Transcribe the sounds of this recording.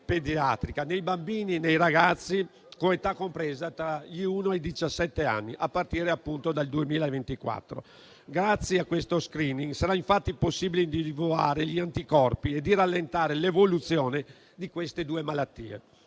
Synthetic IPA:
ped̪iat̪ɾikanejbambiːninejɾaɡat̪sːi | koet̪akːompɾɛːzat̪ɾaʎiuːnoajd̪it͡ʃasːɛt̪ːea̰nːiʔapːart̪iːɾeapːunt̪od̪ald̪uemiːlaevent̪ikwa̰t̪ːɾo̰ | ɡɾat̪sːjeakːwest̪oskɾiːniŋsaɾaiɱfat̪ːiposːiːbileind̪iivua̰ːɾeʎiant̪ikɔrpied̪iralːent̪aːɾelevolut̪sːjɔːne | d̪ikwest̪ed̪uːemalat̪ːḭːḛ

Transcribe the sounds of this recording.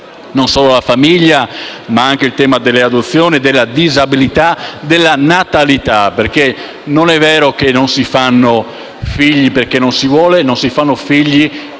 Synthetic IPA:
nonsɔːlolafamiʎːamaaŋk̟eilt̪ɛːmad̪elːead̪ot̪sːjɔːnid̪elːad̪izabilit̪ad̪elːanat̪alit̪aperke | nonɛvːɛːɾok̟enːonsifanːo | fiʎːiperkenːonsivwɔːlenonsifanːofiʎːi

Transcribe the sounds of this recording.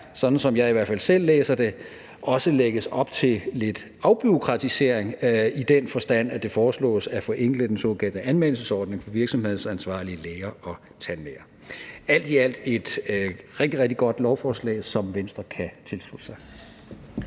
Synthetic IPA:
sɒ̥̽n̩sɒ̽mjɑ̈ɪiʋæɐ̰fæl̰sel̰ːeːsɐd̥e̝ | ʔɒ̽səleɡ̥əsɒ̽b̥t͡sʰe̝le̝d̥ | ɑ̈ʊb̥yo̝kʰʁɑ̈t͡sʰise̝ɐ̰eŋid̥enfɒ̽sd̥æn̰æd̥e̝fɒːslɔ̰̽ːsæfɒ̽ʔeŋ̰ɡ̥ləd̥ensɔ̝ːkʰæl̰d̥əʔænmen̰l̩səsɒːd̥ne̝ŋfɒ̽ʋiɐɡ̥sɒ̽mhe̝ð̞̰̩ˠsænsʋɑ̰̈ːliəleːɐɒ̽ | t͡sʰænleːɐ | æl̰d̥iæl̰d̥e̝d̥ʁeɡ̥̚d̥iʁɛɡ̥̚d̥iɡ̥ɒ̽d̥lɒʊfɒːslɛ̰ːɪsɒ̽mʋensd̥ʁɐkʰæt͡sʰe̝lslud̥sɑ̈ɪ

